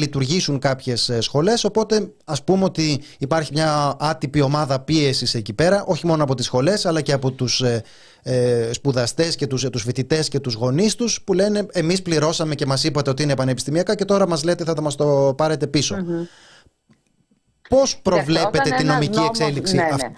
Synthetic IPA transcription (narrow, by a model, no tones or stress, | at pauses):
lit̪uɾʝisuŋkɐpçe̞ssxo̞le̞so̞po̞t̪e̞ɐspumeo̞t̪iːpɐɾçimɲɐɐt̪ipio̞mɐðɐpie̞sise̞cipe̞ɾɐʔo̞çimo̞noɐpo̞t̪isxo̞le̞sɐlɐceɐpo̞t̪us | spuðɐst̪e̞sce̞t̪ust̪usfit̪it̪e̞sce̞t̪uzɣo̞nist̪uspule̞ne̞emispliɾo̞sɐme̞ce̞mɐsipɐt̪e̞o̞t̪iinepɐnepist̪imiɐkɐce̞t̪oɾɐmɐzlet̪eθɐθɐmɐst̪o̞pɐɾe̞t̪e̞piso̞ | po̞spɾo̞vle̞pet̪et̪ino̞miciekseliksiɐ